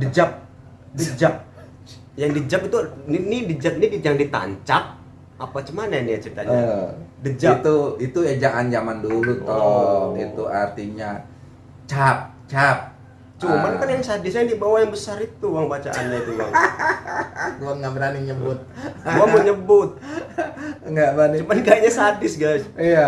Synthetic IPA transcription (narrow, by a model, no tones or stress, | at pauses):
dəd͡ʒap̚ | dəd͡ʒap̚ | jaŋdəd͡ʒapit̪uninidəd͡ʒap̚nidijaŋdit̪a̰ɲt͡ʃap̚ | apat͡ʃəmanajanijat͡ʃit̪aɲadəd͡ʒat̪uit̪uad͡ʒaʔand͡ʒamandulut̪ɔit̪uart̪iɲa | t͡ʃap̚ | t͡ʃap̚ | t͡ʃumankanjaŋsadɪsɲaŋdibawajaŋbəsaɾit̪uwaŋbat͡ʃaʔanɲait̪uɡaŋ | ɡuaŋɡaʔbəɾaniɲəbʊt̪̚ɡuaməɲəbʊt̪̚ | ŋɡaʔbanit͡ʃumankajaɲasadɪsɡajsija